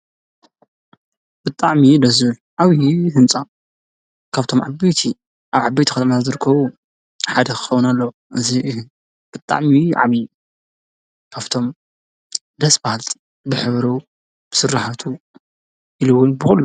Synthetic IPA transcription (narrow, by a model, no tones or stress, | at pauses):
b̥ɨt̪ʼaʕmid̪ɐzβɨlʕaβiɦɨnt͡sʼa | kʰaβt̪ʰo̞mʕa̰bɐjt̪ʰi | ʔaβʕabɐjt̪ʰikʰɐt̪ʰɐmat̪ʰazɨɾɨkʰːɐβu | ħad̪ɐkʰɨ̥xɐwunalːɐw | ʔɨziʔɨhn | b̥ɨt̪ʼa̰ʕmiʕa̰βi | kʰaβt̪ʰo̞m | d̪ɐsbahalt̪ | bɨħɨβɾɐ | b̥ɨ̥sɨrːaħat̪ʰu | ʔilɨwːʊnbɨxulːu